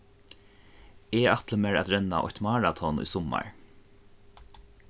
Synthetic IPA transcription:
eːat̪ləmɛɹa̰t̪ɾɛnːa̰ʔɔ̰ht̪maɹat̪ʰɔnʊ̰jsɔmːa̰ɹ

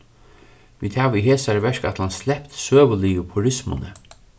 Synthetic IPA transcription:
viːd̪haːʋiɦeːsaɹvɛɹkat̪lanslɛpt̪søːʋʊliːəpʰʊɾɪsmʊ̰nə

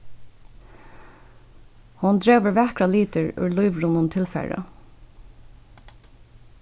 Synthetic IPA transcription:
hʊnd̪ɹeːʋəɹʋɛkɹɑliːt̪əɹʉ̰ːlʊɪʋɹʊnʊnt̪ʰɪlfæ̰ɹɑ̰

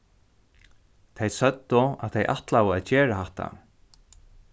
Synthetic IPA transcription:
t̪ʰejsœt̪ːʊa̰ðt̪ʰejʔa̰ht̪lawəaðt͡ɕɛːɾaɦaht̪a̰

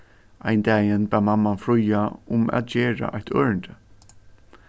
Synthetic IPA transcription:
ʔaɪnd̪æːjɪnbæːmamːanfɹʊjaʊmæ̰t̪̚d͡ʒeːɹa̰ʔajt̪ʰøːɹəɳd̪ə

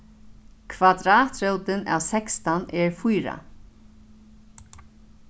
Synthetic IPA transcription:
kʰvad̪ɾaːt̪ɾœwt̪ɪna̰wsɛkst̪anɛɹfujɾa̰

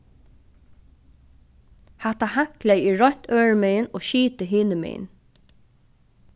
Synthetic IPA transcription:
hat̪ahaŋklæjiːɹɔn̥t̪øːɹmejənoːʃiːt̪əɦiːnəmɛ̰ːn

